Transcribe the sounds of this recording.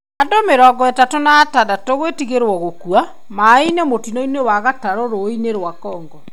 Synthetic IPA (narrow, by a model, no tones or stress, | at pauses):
adomeɾɔɡɔɛtatonaːtadatoɣwetiɣeɾwɔɣokua | mainɛmotinoinewaɣataɾoɾoineɾwakɔːŋɡɔ